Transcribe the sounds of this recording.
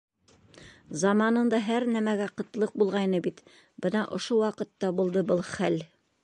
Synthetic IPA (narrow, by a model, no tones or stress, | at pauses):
zɑmɑnɤ̆nd̪ɑɦæɾnæmæɡæqɤ̆t̪lˠɤq̚bulˠʁɑjnɤbit̪ | bɤnɑʔŏʃowɑqɤ̆t̪ːɑbulˠd̪ɤbɤlˠχæl